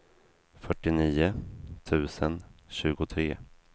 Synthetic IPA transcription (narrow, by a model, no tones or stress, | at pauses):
fœʈːɪniːʊt̪ʰʉ̟ːsənɕʉ̟ːɡʊt̪ʰɾeː